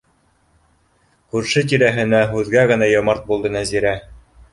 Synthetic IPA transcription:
kʉɾʃɘt̪̬iɾæɦɘ̆næɦʉðɡæɣɘ̆næjɑmɑɾt̪̚bulˠd̪ɤnæziɾæ

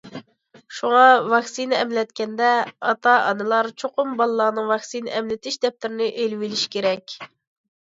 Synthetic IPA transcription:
ʃuŋɑvɑksinɨɛmlɛt̪̚kʲɛnd̪ɛɑt̪ɑʔɑ̰nɨlˠɑɾt͡ʃʰoqʊmbɑlˠɨlːˠɑːnɨŋvɑksinʔɛmlɪt̪ʰɪʃd̪ɛp̚t̪ɪɾɪnɪʔelvilɪʃkʲʰeɾɛkʲ

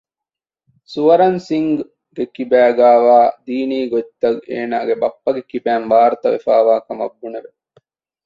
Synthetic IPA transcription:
suʋɐɾɐnsiŋɡ | ɡekibæːɡaːʋaːd̪iːniːɡot̪ːɐɡḛːnaːɡebɐpːɐɡekibæːnʋaːɾɐt̪ɐʋḛfaːʋaːkɐmɐbːuneʋe

